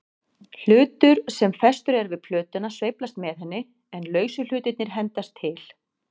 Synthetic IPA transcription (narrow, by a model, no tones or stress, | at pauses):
l̥ʏːt̪ʏɾsɛmfɛst̪ʏɾɛɾvɪðpʰl̥œːt̪ʏnasvejplast̪mɛðhɛnːɪ | ɛnlœːɥsʏl̥ʏːt̪ɪt̪nɪɾ̥ɦɛnt̪ast̪ʰːɪl̥